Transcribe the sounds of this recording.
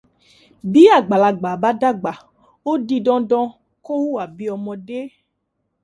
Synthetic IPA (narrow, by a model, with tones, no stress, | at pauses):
bi˦a˦˨ɡ͡ba˨la˨ɡ͡ba˨ba˦da˦ɡ͡ba˨ | wo˦di˧dɔ̃˦dɔ̃˦ | ko˦wu˦a˨bi˨˦ɔ˨mɔ̃˨ɖe˦